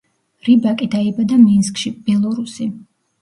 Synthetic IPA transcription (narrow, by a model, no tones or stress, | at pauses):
ɾibakʼid̪aibad̪aminskʼʃib̥ɛlˠɔɾusi